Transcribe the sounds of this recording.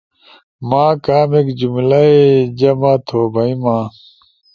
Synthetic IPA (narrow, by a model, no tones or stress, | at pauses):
mãːkaːmekd͡ʑumlɐed͡ʑɐmãːt̪ʰoːbʱɐĩmãː